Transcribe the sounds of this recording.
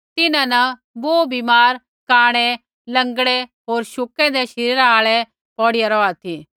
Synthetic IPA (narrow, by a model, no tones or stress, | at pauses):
t̪ɪnãnɐ | boːbimaːɾ | kaːɽ̃e | lɐ̃ŋɡɽeɦoːɾʃʊkɛ̃d̪ɛʃɪɾiɾaaːɭɛ | pɔːɽɪjaɾɔːat̪ʰiː